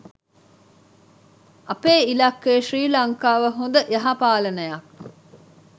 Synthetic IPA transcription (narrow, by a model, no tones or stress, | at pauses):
ɐpeːilɐkːeːʃriːlɐŋkaːʋəɦond̪əʔjɐɦapaːlənəjak̚